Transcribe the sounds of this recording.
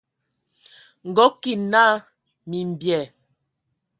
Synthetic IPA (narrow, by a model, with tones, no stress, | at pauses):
ŋ̩˨ɡɔ˨˦ki˨na˦ | mi˨m˨bjɛ˨